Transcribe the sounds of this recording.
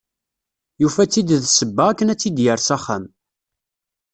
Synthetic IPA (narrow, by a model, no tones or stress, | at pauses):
jufæt͡sːid̪ðsəbːəʁækːənæt͡sːid̪jəɾsæχːæm